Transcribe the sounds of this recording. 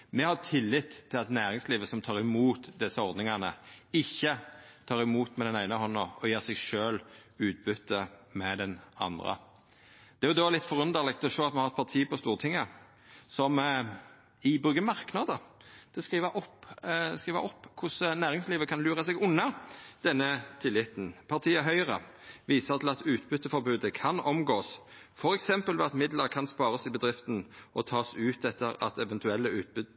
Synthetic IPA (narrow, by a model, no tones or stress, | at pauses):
mɛhɑʁt̪ʰɪlːɪt̪t̪ʰːɪlɑt̪næːɾʁɪŋsliːʋəsɔmt̪ʰɑːʁɪmuːt̪d̪ɛsːəɔɾd̪nɪŋɑnə̰ɪçːət̪ʰɑːʁɪmuːt̪mɛd̪ɛnæɪnəɦɔnːɑɔjæːʁsɛɡʂøːlʉːt̪̚bʉt̪ʰːəmɛd̪ɛnɑ̰nd̪ʁə̰ | d̪ɛæɾjʊd̪oːlɪt̪ːfɔʁʉnd̪əʁlɪkt̪ɔʂoːɑt̪mɛhɑɾɛt̪̚pʰɑt̪ʰiːpɔst̪uːʁt̪ʰɪŋːə | sɔm | ɪbʁʉɡəmɑʁknɑːd̪əd̪̥ɛskiːʋəʔɔpskʁiːʋə̰ɔpːkʰʊsnæːʁɪŋsliːʋəkʰɑnlyːʁəsɛɡʊnːɑd̪̥ɛnːət̪ʰɪlːɪt̪ːnpʰɑʁt̪ʰiːəɦœʏəʁə̰ | ʋiːsəʁt̪ʰɪlɑt̪ʉːt̪bʉt̪ːəfɔɾbʉːd̪əkʰɑnɔmɡoːs | fɔɾɛksɛmpəlʋɛ̰ɑt̪mɪd̪ləɾkʰɑnspɑːɾəsɪbəd̪ʁɪft̪n̩ʔɔt̪ʰɑːsʉːt̪ɛt̪ʰːəɾɑ̰t̪ɛʋɛnt̪ʉɛlːəʉːt̪̚bʉ